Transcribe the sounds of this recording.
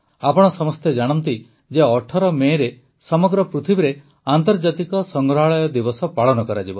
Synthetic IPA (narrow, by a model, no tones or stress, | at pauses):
apɔɽ̃ɔsɔmɔst̪jed͡ʒaɽ̃ɔnt̪i | d͡ʒeɔʈʰɔɾɔmeɾe | sɔmɔɡɾɔpɾut̪ʰibiɾe | ant̪ɔɾd͡ʒat̪ikɔsɔŋɡɾɔɦaɭɔjɔd̪ibɔsɔpaɭɔnɔkɔɾad͡ʒibɔ